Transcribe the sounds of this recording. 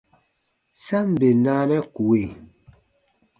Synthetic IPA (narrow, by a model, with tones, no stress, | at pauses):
sa˦m˨be˨naː˦nɛ˦ku˨we˦˨